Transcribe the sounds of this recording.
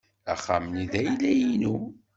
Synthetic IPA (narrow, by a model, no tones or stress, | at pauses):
æχa̰mniðæjlːæjinu